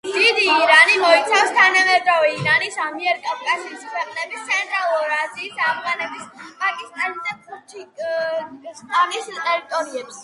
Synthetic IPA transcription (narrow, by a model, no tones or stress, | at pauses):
d̪̥id̪iːɾanimɔit̪sʰafst̪ʰanamɛd̪ɾɔvɛiɾanisamiɛɾkʼafkʼaziːskʰwɛqʼnɛbist̪sʰɛnt̪ʼɾalˠuɾaziːsavʁanɛbispʼakʼist̪ʼanid̪apʰut͡ʃ | st̪ʼanist̪ʼɛɾit̪ʼɔɾiɛps